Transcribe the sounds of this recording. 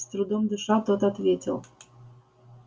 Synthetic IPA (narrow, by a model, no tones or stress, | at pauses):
st̪ɾud̪omd̪ɨʂat̪ot̪at̪vʲetʲɪ̰lˠ